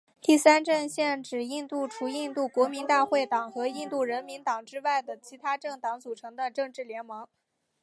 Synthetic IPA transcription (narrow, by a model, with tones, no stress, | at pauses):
t̪i˥˩sa˥nʈ͡ʂə˥˧nɕjɛ˥˩nʈ͡ʂɻ̩˨˩i˥˧nt̪u˥˩ʈ͡ʂʰu˧˥i˥˧nt̪u˥˩kwɔ˧˥mi˧˥nt̪a˥˧xwe˥˩ɪt̪ɑ˨˩ŋxɤ˧˥i˥˧nt̪u˥˩ɻə˧˥nmi˧˥nt̪ɑ˨˩ŋʈ͡ʂɻ̩˥wa˥˩ɪd̪ə˩t͡ɕʰi˧˥t̪ʰa˥ʈ͡ʂɤ˥˩ŋt̪ɑ˧˥ŋt͡su˨˩ʈ͡ʂʰɤ˧˥ŋd̪ə˧ʈ͡ʂɤ˥˧ŋʈ͡ʂɻ̩˥˩ljɛ˧˥nmɤ˧˥ŋ